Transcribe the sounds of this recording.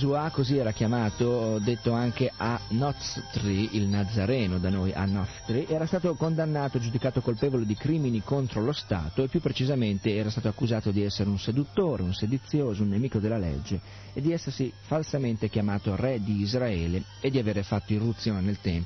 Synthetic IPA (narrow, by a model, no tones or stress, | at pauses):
zuakoziɛːɾak̟jamaːt̪od̪et̪ːoaŋkeʔanɔt̪st̪ɾiilnad̪zːaɾɛːnod̪anoːjʔa̰nɔt̪st̪ɾiʔɛːɾast̪aːt̪okond̪anːaːt̪od͡ʒud̪ikaːt̪okolpeːvoled̪ikɾiːminikont̪ɾolost̪a̰ːt̪oepːjupːɾet͡ʃizament̪eɛːɾast̪aːt̪oakːuzaːt̪od̪iɛsːeɾeunsed̪ut̪ːoːɾeunsed̪ut̪sːjoːzounːemiːkod̪elːalḛd͡ʒːe | ed̪ːiɛsːersifalsament̪ekjamaːt̪orɛd̪iːzɾaɛːle | ed̪ːiaveːɾefat̪ːoirːut̪sːjoːnenelt̪ɛmp